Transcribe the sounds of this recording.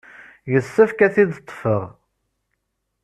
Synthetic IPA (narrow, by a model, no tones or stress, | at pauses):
jəsːəfkæθiðt̪ˤːfəʁ